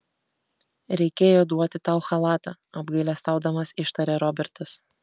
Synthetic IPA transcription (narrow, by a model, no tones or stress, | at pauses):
ɾʲɛɪkʲeːjoːd̪uɔt̪ʲɪt̪ɑˑʊxɐlˠɑːt̪ɐɐbɡɐɪlʲɛst̪ɑˑʊd̪ɐmɐsɪʃt̪ɐɾʲeːɾɔbʲɛɾt̪ɐs